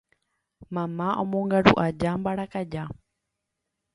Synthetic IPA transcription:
mãmãʔõmõŋɡaɾṵʔad͡ʒambaɾakad͡ʒa

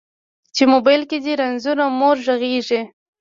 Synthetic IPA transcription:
t͡ʃemobajlked̪iɾanzuɾamoɾʒaɣeʐi

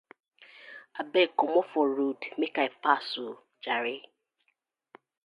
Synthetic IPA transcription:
abɛkomɔfɔɾudmekaefasʊ | d͡ʒaɾɪ

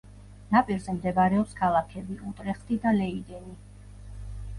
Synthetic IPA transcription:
napʼiɾzɛmd̪ɛbaɾɛɔpskʰalˠakʰɛbiʔut̪ʼɾɛχt̪ʰʼid̪alɛid̪ɛni

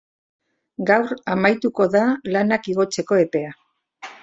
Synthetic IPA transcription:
ɡawɾamajt̪uko̞ðalanakiɣ̞o̞t͡se̞ko̞e̞pe̞a

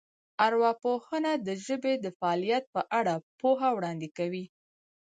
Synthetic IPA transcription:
aɾwɑpohənad̪əʒəbed̪əfaɑlijat̪̚pəʔaɽapoɦawɽɑnd̪ɪkawi

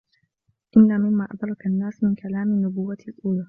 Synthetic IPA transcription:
ʔɪnːaːmɪmːaːʔad̪ɾˤɑkanːaːsmɪnkʰalaːmɪnːʊbʊwːaalʔuːlaː

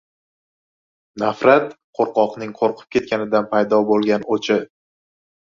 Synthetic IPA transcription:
nafɾat̪qʰoɾqɒqnɪŋqʰoɾqʰɨ̥p̚kʲʰe̞t̪̚kʲanɪd̪anpʰajd̪ɒbolˠɡʲanot͡ʃʰɪ

